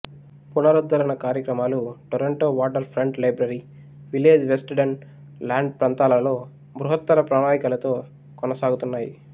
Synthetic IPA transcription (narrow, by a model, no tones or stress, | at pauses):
punɐɾud̪ʋɐɾɐnɐkaːɾjɐkɾɐmaːluʈoɾeɳʈoːʋaːʈɐɾpʰɾeɳɖlɐjbɾɐɾi | ʋileːd͡ʒʋesʈɖɐn | laːɳɖ̚pɾɐnt̪aːlɐlo̞ː | bɾuɦɐt̪ːɐɾɐpɾaːnaːjikɐlɐt̪o̞ː | kɔnɐsaːɡut̪unːaːji